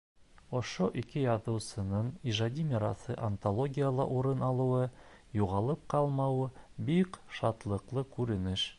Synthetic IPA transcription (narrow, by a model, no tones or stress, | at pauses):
ŏʃoʔikɘjɑðɤ̆wsɤ̆nɤɴiʒad̪ʲimʲiɾɑsɤ̰ʔɐnt̪olˠoɡʲijalˠɑ̰ʔuɾɤnɑlˠɤ̆wɤ | juʁɑlˠɤp̚qɑlˠmɑwɤbikʃɑt̪lˠɤ̆qlˠɤkʉɾɘ̆nɘʃ